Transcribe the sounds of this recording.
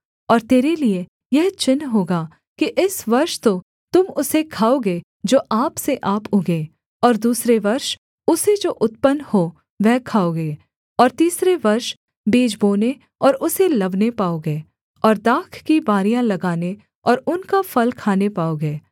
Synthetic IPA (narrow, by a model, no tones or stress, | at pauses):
ɔːɾt̪eːɾelie | jɛɦt͡ʃɪnɦoːɡaː | kiʔɪsʋɐɾʃt̪o | t̪ʊmʊsekʰaːoɡeː | d͡ʒoːʔaːpseʔaːpʊɡeː | ɔːɾd̪uːsɾeʋɐɾʃ | ʊsed͡ʒoːʔʊt̪pənhoː | ʋɛɦkʰaːoɡeː | ɔːɾt̪iːsɾeʋɐɾʃ | biːd͡ʒboːne | ɔːɾʊselɐbnepaːoɡeː | ɔːɾd̪aːkʰkibaːɾijãlɐɡaːne | ɔːɾʊnkafɐlkʰaːnepaːoɡeː